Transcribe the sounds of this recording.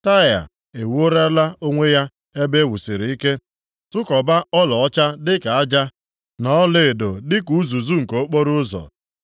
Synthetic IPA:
ta˦˨ja̰˨ | e˨wu˦o˦ɾa˦la˦o˦ŋʷe˦ja˦ | e˦be˦wu˨si˨ɾi˨˦i˦ke˦ | tʊ˦kɔ˨ba˦ɔ˦lɔ˨ɔ˦t͡ʃa˦dɪ˦ka˨a˦d͡ʒa˦ | nɔ˦le˦˨do˨dɪ˦ku˨˦zu˨zu˦ŋ̩˨ko˨o˦k͡po˦ɾʊ˦zɔ̰˨

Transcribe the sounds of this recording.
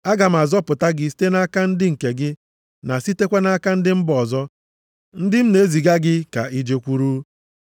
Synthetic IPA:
a˦ɡa˨m̩˨a˨zɔ˦pʊ˨ta˦ɡɪ˦si̥˦te˦na˦ka˦n̩˦dɪ˦ŋ̩˨ke˨ɡɪ˦ | na˨si˦te˦kʷe˦na˦ka˦n̩˦dɪ˦m̩˦bɔ˨zɔ˦ | n̩˦dɪ˦m̩˦ne˨˦zi˨ɡa˦ɡɪ˦ka˨i˦d͡ʒe˨kʷu˦ɾu˦

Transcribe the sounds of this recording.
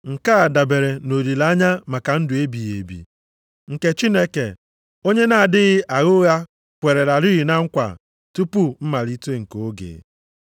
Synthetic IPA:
ŋ̩˨ka˦a˨da˨be˨ɾe˨no˨ɾi˨la˦ɲa˦ma˨ka˨n̩˦dʊ˨e˦bi˨ɣḛ˨bḭ˨ | ŋ̩˨ke˨t͡ʃi˦ne˦ke˨ | o˦ɲe˦na˨a˨dɪ˦ɣɪ˦ʔa˨ɣʊ˦ɣa˦ | kʷe˨ɾe˨ɾa˨ɾi˦ɣi˨na˦ŋ̩˦kʷa̰˨ | tu˦pu˦m̩˦ma˨li˦te˦ŋ̩˨ko˨˦ɡḛ˨

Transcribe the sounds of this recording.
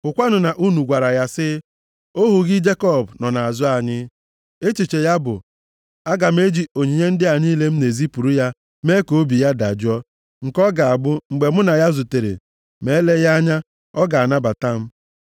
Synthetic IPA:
ʊ˨kʷa˦nʊ˨na˨ʔu˦nu˨ɡʷa˨ɾa˨ja˦sɪ˦ | o˦ɦu˨ɣɪ˦d͡ʒe˦kɔ˦˨bnɔ˨na˨a˨zʊ˦a˨ɲɪ˦ | e˦t͡ʃi˨t͡ʃe˨ja˦bʊ̰˨ | a˦ɡa˨m̩˦e˦d͡ʒi˦o˨ɲi˨ɲe˦n̩˦dɪ˦a˨ni˦le˦m̩˦ne˨zi˦pu˨ɾu˦ja˦ | me˦ko˨˦bi˨ja˦da˨d͡ʒʊ˦ɔ˦ | ŋ̩˨kɔ˦ɡa˨a˨bʊ˦ŋ͡m̩˨ɡ͡be˨mʊ˦na˨ja˦zu˨te˨ɾḛ˨ | me˨˦le˦ja˦ɲa˦ | ɔ˦ɡa˨na˦ba˨ta˦m̩˦

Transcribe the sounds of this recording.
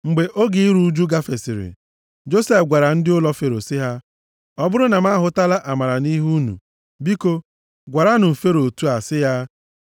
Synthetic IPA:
ŋ͡m̩˨ɡ͡be˨ʔo˦ɡi˦i˦ɾu˦d͡ʒu˦ɡa˦fe˨sɪ˨ɾɪ̰˨ | d͡ʒo˦se˦fɡʷa˨ɾa˨n̩˦dɪ˦ʊ˦lɔ˦fe˨ɾo˨sɪ˦ɦa˦ | ɔ˦bʊ˦ɾʊ˦na˨m˦a˦ɦʊ˨˦ta˦la˦ʔa˨ma˨ɾa˨ni˦ɦu˦nṵ˨ | bi˦ko˦ | ɡʷa˨ɾa˦nʊ˨fe˦ɾo˨tu˦a˨sɪ˦ja˦

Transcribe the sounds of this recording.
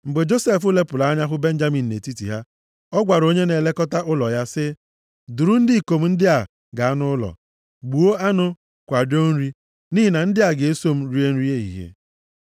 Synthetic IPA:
ŋ͡m̩˨ɡ͡be˨d͡ʒo˦se˦˨fʊ˦le˦pʊ˨la˨a˦ɲa˦ɦʊ˦be˦n̩˦d͡ʒa˦mi˨n̩ː˨ḛ˨ti˦tḭ˨ɦa˦ | ɔ˦ɡʷa˨ɾo˦ɲe˦ne˨le˦kɔ˦ta˦ʔʊ˦lɔ˨ja˦sɪ˦ | dʊ˨ɾu˦n̩˦di˦i˨ko˨m̩˦n̩˦dɪ˦a˨ | ɡa˨a˦nʊ˦lɔ̰˨ | ɡ͡bu˨o˦a˦nʊ˦ | kʷa˨do˦n̩˦ɾi˦ | ni˦ɦi˨na˨n̩˦dɪ˦a˨ɡe˨e˦so˦m̩˦ɾi˦e˦n̩˦ɾi˦e˦ḭ˨ɦḛ˨

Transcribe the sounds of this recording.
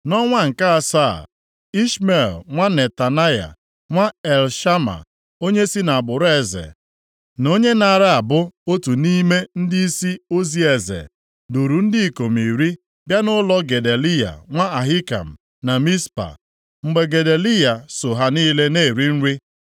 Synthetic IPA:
nɔ˦ŋʷa˦ŋ̩˨ka˦a˨sa̰˦˨ | i˦ʃme˨lŋʷa˦ne˨ta˨na˦ja̰˨ | ŋʷa˦e˨lʃa˦ma̰˨ | o˦ɲe˦si˦na˨a˨bʊ˨ɾe˨zḛ˨ | no˦ɲe˦na˨ɾɪ˦a˨bʊ˦o˦tu˨ni˦me˦n̩˦dɪ˦i˦si˦o˦zi˦e˨zḛ˨ | du˨ɾu˨n̩˦dɪ˦i˨ko˨m˨i˨ɾi˦ | bja˦nʊ˦lɔ˦ɡe˨de˨li˦ja̰˨ŋʷa˦a˨ɦi˦ka̰˨m̩˨ | na˨mi˦spa̰˨ | ŋ͡m̩˦ɡ͡be˦ɡe˨de˨li˦ja˨sʊ˨ɦa˦niː˦le˦ne˦˨ɾi˦n̩˦ɾi˦

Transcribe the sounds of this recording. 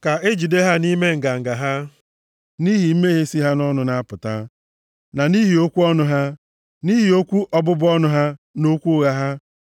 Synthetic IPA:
ka˨e˦d͡ʒi˨de˦ɦa˦ni˦me˦ŋ̩˨ɡa˨ŋ̩˨ɡa˨ɦa˦ | ni˦ɦi˨m̩˦me˦ɦe˦si˦ɦa˦nɔ˦nʊ˨na˦a˦pʊ˨ta˦ | na˨ni˦ɦi˨o˦kʷu˦ɔ˦nʊ˦ɦa˦ | ni˦ɦi˨o˦kʷu˦ʔɔ˦bʊ˦bʊ˦ɔ˦nʊ˦ɦa˦no˦kʷu˦ɣa˦ɦa˦

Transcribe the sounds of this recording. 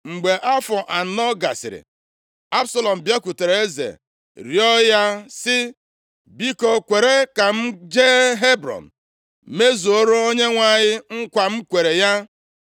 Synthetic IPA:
ŋ͡m̩˨ɡ͡be˨ʔa˦fɔ˨ʔa˨n̩˨˦nɔ˦ɡa˨sɪ̰˨ɾɪ̰˨ | a˦bsa˦lɔ˨m̩˨bja˦ku˨te˨ɾe˨e˦zḛ˨ | ɾjɔ˦ja˦sɪ˦ | bi˦kɔ˨kʷe˨ɾe˦ka˨m̩˦d͡ʒe˦ɦe˦bɾɔ̰˨n̩˨ | me˦zu˨o˦ɾo˦o˦ɲe˦ŋʷa˦ɲɪ˦ŋ̩˦kʷa˨m̩˦kʷe˨ɾe˨ja˦

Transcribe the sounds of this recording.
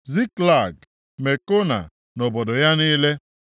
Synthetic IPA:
zi˦kla˦˨ɡ | me˨ko˦na̰˨ | nɔ˨bɔ˨dɔ˨ja˦niː˦le˦

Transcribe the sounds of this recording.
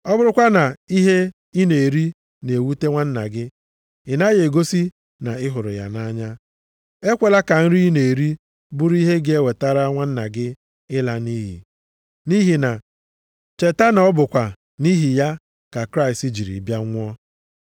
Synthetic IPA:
ɔ˦bʊ˦ɾʊ˦kʷa˦na˨i˦ɦe˦ | i˦ne˨e˨ɾi˦ | ne˨wu˦te˦ŋʷa˦n̩˦na̰˨ɡɪ˦ | ɪ˨na˦je˨ɡo˦si˦ | na˨ɪ˦ɦʊ˨ɾʊ̰˨ja̰˨na˦ɲa˦ | e˦kʷe˨la˦ka˨n̩˦ɾi˦ne˨e˨ɾi˦ | bʊ˦ɾi˦ɦe˦ɡe˦we˨ta˦ɾa˦ŋʷa˦n̩˦na˨ɡɪ˦ | ɪ˦la˨ni˦ɦḭ˨ | ni˦ɦi˨na˨ | t͡ʃe˨ta˦na˨ɔ˦bʊ˨kʷa˨ | ni˦ɦi˨ja˦ | ka˨kɾa˦ɪ˨sti˦d͡ʒi˨ɾḭ˨bja˦ŋʷʊ˦ɔ˦

